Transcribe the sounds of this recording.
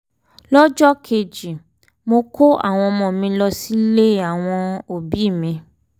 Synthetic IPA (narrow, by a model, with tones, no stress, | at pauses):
lɔ˦d͡ʒɔ˦kʰe˧d͡ʒi˨ | mo˧kʰo˦a̰˦˨w̃ɔ̃˧mɔ̃˨mĩ˧lɔ˧si˦le˦a˦˨w̃ɔ̃˧o˨bi˨˦˨mĩ˧